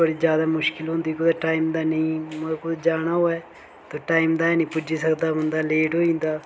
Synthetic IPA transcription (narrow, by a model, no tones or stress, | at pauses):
əɽiːd͡ʒjaːd̪aːmʊʃkɪlɦʊ̃nd̪iːkʊd̪eʈaːimd̪aːnəĩːmkʊd̪ed͡ʒaːɽ̃aːɦoːɛː | t̪oːʈaːimd̪aːɛnə̃iːpʊd͡ʒiːsəkd̪aːɦʊ̃nd̪aːleːʈɦoːĩnd̪aː